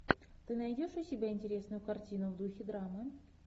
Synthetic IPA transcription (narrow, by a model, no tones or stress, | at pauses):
t̪ɨnajdʲoʂʊsʲɪbʲæɪnʲtʲɪɾʲesnʊjʊkartʲinʊvd̪uxʲɪd̪ɾamə